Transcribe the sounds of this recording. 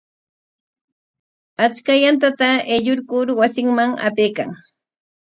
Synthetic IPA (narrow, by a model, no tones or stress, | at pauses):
at͡ʃkajant̪at̪aeʎoɾkʊɾwasɪŋmaŋa̰pejkaŋ